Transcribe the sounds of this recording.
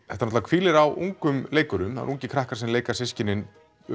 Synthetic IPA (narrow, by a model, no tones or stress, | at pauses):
θɛht̪anɔt̪avakʰiːlɪɾawʔṵŋkʏmleːjkʏɾʏma̰ɾuŋcɪkʰɾahkaɾ̥sɛmleːjkasɪscɪnɪn̰